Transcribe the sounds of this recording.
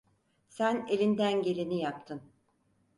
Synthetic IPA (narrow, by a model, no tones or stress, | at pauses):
sæne̞lʲind̪ænɟe̞lʲinijap̚t̪ʰɯn